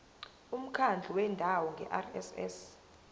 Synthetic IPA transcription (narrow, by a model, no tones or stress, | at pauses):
um̩kʰand͡ɮʱuwɛndʱawɔŋɡʱɛ̰ʔarɛ̰sɛs